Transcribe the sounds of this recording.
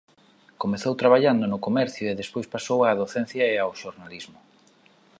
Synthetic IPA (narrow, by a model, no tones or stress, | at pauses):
komeθowt̪ɾaβaʎand̪ʊnʊkomɛɾθjʊeðespojspasowaːðoθɛnθjɐeawʃoɾnalizmʊ